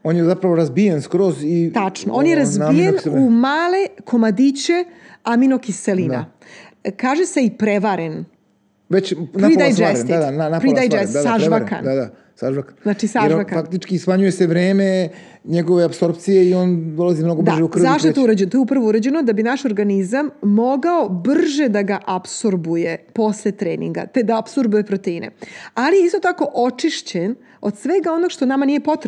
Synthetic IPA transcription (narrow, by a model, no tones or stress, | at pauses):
oːnjezapɾaʋoɾazbijenskɾozit̪at͡ʂno̰ʔonjeɾazbijenumaːle̞komad̪it͡ɕe̞aminokiselina̰ | kaːʒeseipɾeʋaɾen | ʋet͡ɕnpaɾiajd͡ʒeɾsnd̪iad̪ananapɾidd̪ajd͡ʒesaaʒaɾka̰nd̪ad̪a | saʒʋakanznat͡ʃisaeʒɾakafakt̪it͡ʃkismaɲujeseʋɾeːme̞ | ɲeɡoʋeapso̞ɾp̚t̪sijeiond̪olazimno̞ɡobd̪aʒeukr̩zaʃt̪ot̪ouɾad͡ʑenot̪ojup̬ɾraʋouɾad͡ʑe̞nod̪abinaʃo̞ɾɡanizamːo̞ɡaobr̩ʒed̪aɡaʔapsoɾbujepo̞slet̪ɾeːnḭŋɡa̰t̪ed̪aapsuɾbuje̞pɾot̪einḛalijeist̪ot̪ako̞ʔo̞t͡ʂiʃt͡ɕen | o̞d̪sʋeɡao̞no̞ɡʃt̪o̞namanije̞po̞t̪ɾ